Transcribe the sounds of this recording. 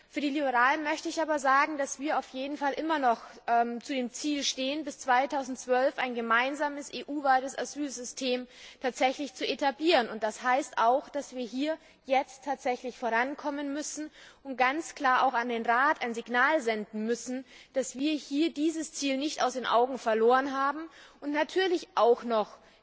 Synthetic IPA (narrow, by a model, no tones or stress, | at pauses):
fyːɐdiːlibəʁaːlənmœçtəɪçʔaːbɐzaːɡŋ̩d̥asv̥iːɐaʊfjeːdn̩falʔɪmɐnɔχ | ʔɛːmt͡sudeːmt͡siːlʃteːənbɪst͡sv̥aɪtʰaʊzn̩tt͡sv̥œlfʔaɪnɡəmaɪnzaːməsʔeːʔuːvaɪtəsazyːlzʏstʰeːmtʰaːtz̥ɛçlɪçt͡suʔetʰabliːʁənʊntd̥ashaɪstʔaʊxd̥asv̥iːɐɦiːɐ | jɛt͡stʰːaːtz̥ɛçlɪçfoːʁ̞ankʰɔmənmʏsn̩ʔʊmɡant͡skl̥aːɐʔaʊxandeːnʁaːtʔaɪnzɪɡnaːlzɛndn̩mʏsn̩d̥asv̥iːɐhiːɐdiːzəst͡siːlnɪçta̰ʊsd̥eːnʔa̰ʊɡŋ̩fɛɐloːʁənɦaːbm̩ʔʊntnatʰyːɐlɪçʔaʊxnɔχ